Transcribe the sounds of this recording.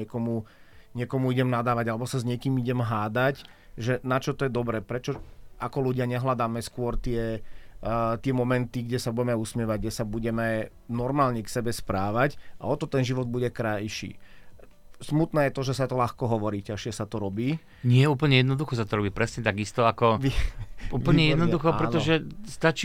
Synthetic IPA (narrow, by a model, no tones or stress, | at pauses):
ɛkɔmuɲɪɛkɔmuiɟɛmnad̪aːʋaɟalɛbɔsazɲɪɛkiːmiɟɛmɦaːd̪ac | ʒɛnat͡ʃɔt̪ɔjɛd̪ɔbɾɛːpɾɛt͡ʃɔakɔluɟɪaɲɛɦlad̪aːmɛskʊɔɾt̪ɪɛ | t̪ɪɛmɔmɛnt̪iɡɟɛsabuɟɛmɛusmɪɛʋaɟ̚ɡɟɛsabuɟɛmɛ | nɔɾmaːlɲɛksɛbɛspɾaːʋacʔa̰ɔt̪ɔt̪ɛnʒiʋɔd̪̚buɟɛkɾajʃḭː | smut̪nɛːjɛt̪ɔʒɛsat̪ɔlaxkɔɦɔʋɔɾicaʃɪɛsat̪ɔɾɔbiː | ɲɪɛuːp̬l̩ɲɛjɛd̪nɔd̪uxɔsat̪ɔɾɔbiːpɾɛsɲɛt̪aɡist̪ɔakɔʋiupl̩ɲɛjɛɛd̪nɔd̪uxɔpɾɛt̪ɔʒɛst̪at͡ʃː